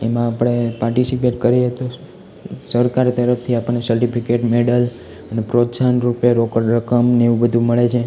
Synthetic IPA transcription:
emãːpəɽ̃epaɾʈisipeʈkəɾiet̪o | səɾkaɾt̪əɾəft̪ʰiapənːesəɾʈipʰikeʈmeɽəl | ənepɾot̪sanɾupeɾokəɽɾəkəmneʋũbəd̪ʱũməɭet͡ʃʰe

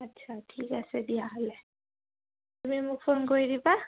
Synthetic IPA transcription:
ɐtːʃʰaʈʰiːkɛsed̪iaɦle | t̪ʊmimukfʰoːnkoiɾiba

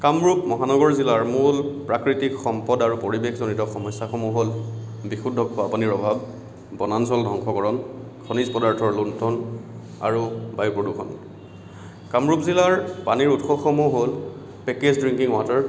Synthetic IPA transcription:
kamɹupmɔɦanɔɡɔɹzilaɹmulpɹakɹitikxɔmpɔdaɹupoɹibexʰzonitɔxɔmɔsːaxɔmuɦolbixudʱːɔkʰːɔapuniɹɔbʱab | bɔnansɔldʱɔŋkʰɔkɔɹɔnkʰɔnizpɔdaɹtʰɔɹluntʰɔn | a̰ɹubajupɔdukʰɔ̰n | kamɹupzilaɹpaniɹutxɔxɔmuɦol | pekezdɹiŋkiŋwatɔɹ

